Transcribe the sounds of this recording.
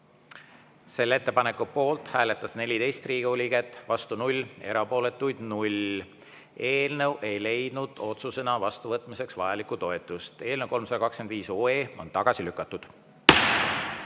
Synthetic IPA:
se̞lːet̪ːepɑne̞kːˑupo̞ːlt̪ˑhæːle̞t̪ːˑɑsne̞lʲit̪e̞jst̪riːɡ̥eulʲiɡ̥et̪ːˑvɑst̪unulʲːe̞ɾɑpo̞ːle̞t̪ːˑujd̪̥nulʲ | e̞ːlnəwʔe̞jle̞jd̪̥nud̪̥o̞t̪suse̞nɑvɑst̪uvɤt̪ːˑmise̞ksvɑjɑlikːut̪o̞e̞t̪ːˑust̪e̞ːlnəwko̞lmsɑd̪ɑkɑkskend̪viːsoːe̞ːo̞̰nt̪ɑɡ̥ɑsilykːˑɑt̪ːˑud̪̥

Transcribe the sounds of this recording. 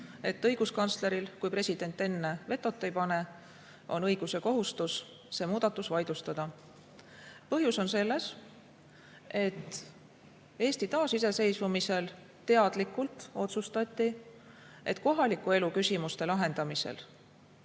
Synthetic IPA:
e̞t̪ːɤjɡ̥uskɑnt̪sle̞ɾilkujpre̞sʲid̪̥e̞nt̪ːˑe̞nːe̞ve̞t̪ːˑo̞t̪ːˑe̞jpɑne̞ | ʔo̞̰nɤ̞jɡ̥use̞ko̞ɦust̪us | se̞ːmuːd̪̥ɑt̪ːˑusvɑjd̪̥ust̪ɑd̪̥ɑ | pɤɦjuso̞nse̞lːe̞s | e̞t̪ː | e̞ːst̪it̪ɑːsise̞se̞jsvumise̞l | t̪e̞ɑd̪̥likːˑult̪o̞t̪sust̪ɑt̪ʲˑːi | e̞̰t̪ko̞ɦɑlikːˑue̞lukysʲimust̪e̞lɑɦe̞nd̪ɑmise̞̰l

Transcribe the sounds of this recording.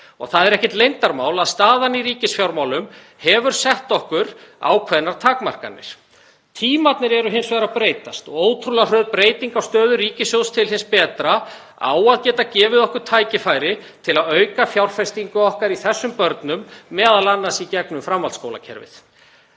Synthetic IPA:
ɔ̰ɣθaðɛɾɛhcɪt̪lejnt̪aɾmawlaðst̪aːðaniɾiːcɪsfjawɾmaːwlʏm | hɛvʏɾ̥sɛht̪ɔhkʏɾa̰ːwkʰvɛðnaɾ̥t̪ʰaːkma̰r̥ka̰nːɪ̰ɾ̥ | t̪ʰiːmat̪nɪɾɛɾʏɦɪnsvɛːɾapɾeːjt̪ast̪ɔɣoːwt̪ʰɾular̥œːðpɾeːjt̪iŋkawst̪œːðʏriːcɪsjowst̪ʰɪlɦɪnspɛːt̪ɾa | a̰ːwaðcɛːt̪acɛːvɪðɔhkʏɾ̥t̪ʰaːjcɪfajɾɪt̪ʰɪlaðœɥkafjawɾ̥fɛst̪iŋkʏɔhkaɾiθɛsːʏmpœɾt̪nʏmːɛːðalanːasicɛknʏmfɾamvalskoːwla̰cʰɛ̰ɾvɪ̰θ

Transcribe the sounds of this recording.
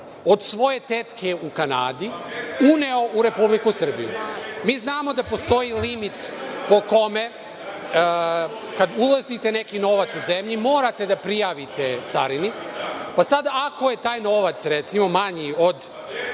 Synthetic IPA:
od̪sʋo̞je̞t̪et̪kʰe̞ukana̰ːd̪iuneo̞ʔuɾe̞publikusr̩bḭjṵmiːznaːmo̞d̪apo̞st̪o̞jilimit̪po̞ko̞me̞ | kad̪ulˠazit̪e̞ne̞kino̞ʋat̪suzemʎimo̞ːɾat̪e̞d̪apɾijaʋit̪et̪sa̰ɾinipasad̪akʰo̞je̞t̪aːjno̞ʋat̪sɾet̪simo̞maɲio̞d̪

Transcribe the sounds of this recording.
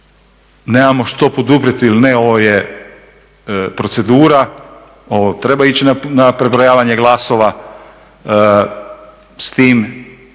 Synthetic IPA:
neːmamo̞ʃt̪o̞po̞d̪upɾet̪iilineo̞ʋoje | pɾo̞t̪se̞d̪uːɾa | oʋot̪ɾe̞bait͡ɕinanapɾebɾojaːʋaɲeɡlˠasoʋa | st̪iːm

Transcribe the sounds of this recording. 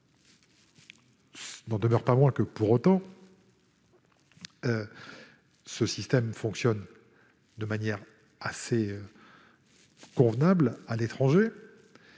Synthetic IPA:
snɑ̃d̪əmœʁpamwɛ̃kəpuʁot̪ɑ̃ | ø | səsist̪ɛmfɔ̃ksjɔn | d̪əmanjɛʁ | aseø | kɔ̃vnablalet̪χɑ̃ʒe

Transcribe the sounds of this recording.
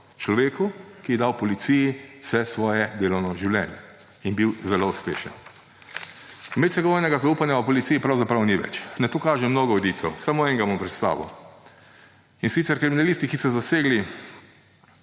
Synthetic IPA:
t͡ʃlɔʋeːkukijɛd̪awpɔlit̪siːjisɛsʋɔːjɛd̪eːlɔwnɔʒiwlʲjɛ̰njɛ | inbiwzɛlouspḛːʃə̰n | mɛt̪sɛɡɔʋoːjnɛɡazauːpanjaupɔlit̪sijipɾawzapɾawniʋɛ̰t͡ʃnɛt̪oːkaːʒɛmnoːɡɔɔd̪iːt̪sɛwsamoɛŋɡamɔmpɾɛt̪st̪a̰ːʋɔ̰ | insit̪sɛɾkɾiminaliːst̪ikisɔzaseːɡli

